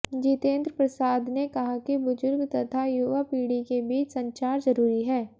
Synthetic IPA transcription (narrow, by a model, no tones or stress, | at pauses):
d͡ʒiːt̪ẽːnd̪ɾəpɾɐsaːd̪nekɐɦakibʊzʊɾɡt̪ɐt̪ʰajuːʋapiːɽikebiːt͡ʃsɐ̃ɲt͡ʃaːɾzɐɾuːɾiɦɛː